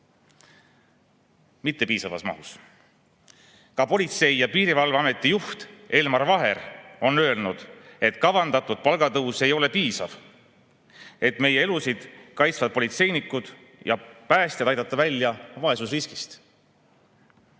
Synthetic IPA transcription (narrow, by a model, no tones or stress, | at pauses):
mit̪ːe̞piːsɑvɑ̰smɑ̰hus | kɑpo̞lʲit̪se̞jjɑpiːɾivɑlveɑme̞t̪ːˑijuht̪e̞lmɑɾvɑɦe̞ɾo̞nø̞elnud̪̥e̞t̪kɑvɑnd̪ɑt̪ːˑud̪̥̚pɑlɡ̥ɑt̪ɤuwse̞jo̞le̞piːsɑv | e̞t̪me̞je̞e̞lusid̪̥kɑjt̪svɑd̪̚po̞lʲit̪se̞jnikːˑud̪̥ | jɑ̰pæːst̪jed̪ɑjd̪ɑt̪ːˑɑvælʲːjɑvɑesusriski̥st̪